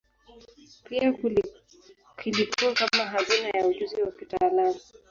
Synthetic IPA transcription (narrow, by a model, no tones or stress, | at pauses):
piak | kilipuakamaɦazinajauʄuziwapitalani